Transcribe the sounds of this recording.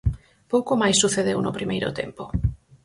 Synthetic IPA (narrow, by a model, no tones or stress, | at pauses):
powkomajsːuθeðewno̰pɾimejɾo̰t̪ḛmpo